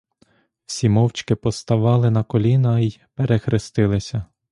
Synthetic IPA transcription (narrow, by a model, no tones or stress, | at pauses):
w̥sʲimɔwt͡ʃkɪpɔst̪ɐʋɑlˠɪnɐkɔlʲinɐijpeɾexɾɪst̪ɪlˠɪsʲɐ